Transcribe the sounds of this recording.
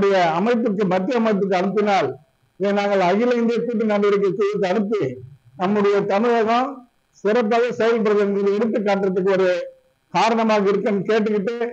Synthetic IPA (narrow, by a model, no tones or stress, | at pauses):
ɽɐjɐɐmɐɪpːɯkːɯmɐt̪ːɪɐmɐɪp̬ːɯk̬ːɯɐnɯpːɪnaːl | eːnaːŋɡɐɭɐɣɪlɐɪnd̪ijɐk̪uːʈ̬ːinɐɳɖɯʋɐɾɯk̬ːɯkːɯðɯk̬ːɯɐnɯpːɯ | nɐmːɯɽɐjɐt̪ɐnɯʋɐɣɐ̃ | sɪɾɐp̬ːaːɣɐsɛjɐlpɐɾɐðɐɐnɡɐðɯɛɽɯt̪̬ːɯkːaːʈːɾɐt̪ːɯk̬ːɯʋɐɾɐjɐ | kaːɾɐɳɐmaːɣɐɪɾɯkːɐnːɯkeːʈ̬ːɯkːɪʈːe